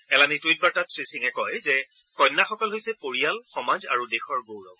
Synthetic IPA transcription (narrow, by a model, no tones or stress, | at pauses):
ɛlanituwit̚baɹtatsɹisiŋɛkɔjzɛ | kɔjnːaxɔkɔlɦojsɛpoɹijalxɔmaza̰ɹudɛxʰɔɹɡowɹɔ